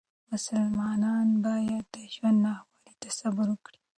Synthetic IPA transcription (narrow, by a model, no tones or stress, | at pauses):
mʊsalmɑnɑnbɑjad̪ːəʒwand̪nɑhwɑɾit̪asabʊɾwəkɽi